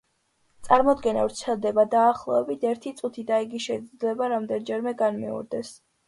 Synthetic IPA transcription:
t̪sʼaɾmɔd̪ɡɛna̰vɾt̪sʰɛlˠd̪ɛbad̪aːχlˠɔɛbit̪ʰɛɾt̪ʰit̪sʼut̪ʰid̪aiɡiʃɛd̪zd̪lɛbaɾamd̪ɛnd͡ʒɛɾmɛɡanmḭṵɾd̪ɛs

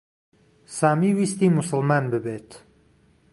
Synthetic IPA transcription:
saːmiːwiːst̪iːmʊsəlmaːnbɨbeːt̪

